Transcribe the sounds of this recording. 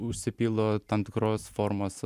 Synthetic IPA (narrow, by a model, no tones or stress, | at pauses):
ʊʃʲsʲɪpʲilˠoːt̪ɐmt̪ʲɪkɾoːsfoɾmoːs